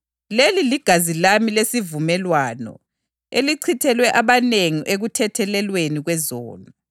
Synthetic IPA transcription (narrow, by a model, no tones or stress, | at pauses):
leliliɡ̥ʱazilamilesivumɛlwaːnɔ̰ | eliǀʰitʰɛlwɛʔaβaneŋiʔeɣutʰɛtʰɛlɛlweniɣwɛzo̰ːnu